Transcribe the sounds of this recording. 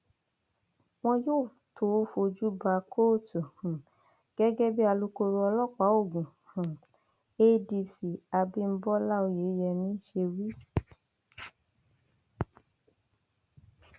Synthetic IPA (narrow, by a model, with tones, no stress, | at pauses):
w̃ɔ̃˦joː˦˨tʰo˨˦fo˧d͡ʒu˦ba˧˦kʰo˦˨tu˨hũ˨ | ɡ̥ɛ˦ɡɛ˦bi˦a˧lu˦ko˧ɾo˧ɔ˧lɔ˦k͡pa˨˦o˦˨ɡũ˨hũ˨ | e˦di˧si˨a˧bi˦m̩˦bɔ˦la˦o˧je˨˦jɛ˧nĩ˦ʃe˧wi˦